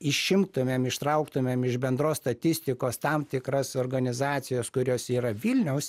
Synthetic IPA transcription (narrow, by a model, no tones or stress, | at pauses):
ɪʃʃʲɪmt̪ʊmʲemɪʃt̪ɾɐʊkt̪ʊmʲeːmɪʒbʲɛnd̪ɾoːsst̪ɐt̪ʲɪsʲt̪ʲɪkoːst̪ɐmt̪ʲɪkɾɐsoːrɡɐnʲɪzɑːt̪sʲɪjoːskʊɾʲoːsiːɾɐʋʲilʲnʲɛʊs